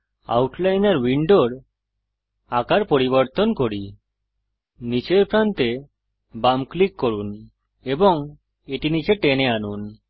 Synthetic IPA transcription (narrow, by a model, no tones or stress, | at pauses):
a̰wʈlajnaɾwiɳɖoɽ | akaɾpoɾiβɔɾt̪onkoɾi | nit͡ɕeɾpɾant̪e | bamklikːoɾun | eboŋ | eʈinit͡ɕeʈeneanun